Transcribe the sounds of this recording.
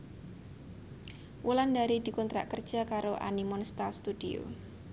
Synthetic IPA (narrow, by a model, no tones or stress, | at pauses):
wʔulandaɾid̪ikɔnt̪ɾa̰ʔkərd̥ʒ̥a̤kaɾoʔa̰nimɔnst̪ast̪udio̰